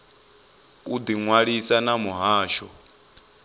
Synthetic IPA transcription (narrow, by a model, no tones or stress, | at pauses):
ud̪iŋwaɺisanamuɦaːʃɔ